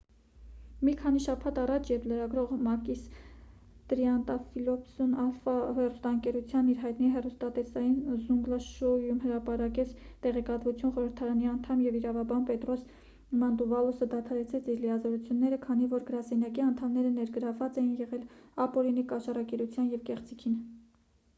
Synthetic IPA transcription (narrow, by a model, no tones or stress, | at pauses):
mikʰɑniʃɑpʰɑt̪ɑrɑt͡ʃʰjɛɾpləɾɑɡɾɔʁmɑkis | t̪ɾiɑnt̪ɑfilɔpsunɑlfɑhɛrust̪ɑəŋkɛɾut͡sʰjɑniɾɦɑjt̪niɦɛrust̪ɑt̪ɛsɑjinzuŋɡlɑʃɔjumhəɾɑpɑɾɑkɛt͡sʰt̪ɛʁɛkɑt̪vut͡sʰjunχɔɾəɾt̪ʰɑɾɑniɑnt̪ʰɑmjɛviɾɑvɑbɑnpɛt̪ɾɔs | mɑnd̪uvɑlusəd̪ɑt̪ʰɑɾɛt͡sʰɛt͡sʰiɾləjɑzɔɾut͡sʰjunːɛɾəkʰɑnivɔɾɡəɾɑsɛnjɑkiɑnt̪ʰɑmnɛɾənɛɾɡəɾɑvːɑt͡sɛjinjɛʁɛlɑpɔɾinikɑʃɑrɑkɛɾut͡sʰjɑnjɛvkɛχt͡sikʰin